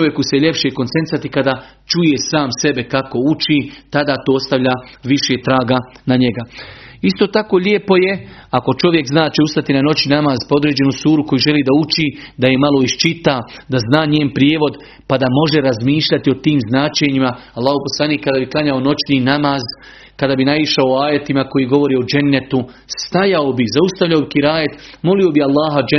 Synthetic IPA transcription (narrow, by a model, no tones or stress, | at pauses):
t͡ʃoʋje̞kuseʎe̞pʃekont̪sent̪sat̪ikad̪at͡ʃuje̞saːmse̞be̞kako̞ut͡ʃit̪ad̪aːt̪oːst̪aʋʎʲaːʋiʃet̪ɾaːɡa | naɲe̞ɡaist̪o̞ːt̪ako̞ʎeːpo̞je̞ako̞t͡ʃo̞ʋje̞kznaːt͡ʃe̞ust̪at̪inano̞t͡ʃinamaːzpao̞d̪ɾeːd͡ʑe̞nusuːɾuko̞jiʒe̞liːd̪aut͡ʃid̪aje̞malo̞iʃt͡ʃit̪ad̪aznaːɲeːnpɾjeːʋo̞d̪ | pad̪amo̞ʒe̞ɾazmiːʃʎat̪io̞t̪iːmznaːt͡ʃeɲimaalˠːaːɦhopo̞slˠaniːkːad̪aːbiklˠaɲaono̞t͡ʃniːnamaːz | kad̪aːbinaiʃaoaːje̞t̪imako̞jiːɡo̞ʋo̞ɾiːod͡ʒanːet̪u | st̪ajaobizaust̪aʋʎaobikiɾaːjet̪mo̞lio̞bialˠːaːɦad͡ʒ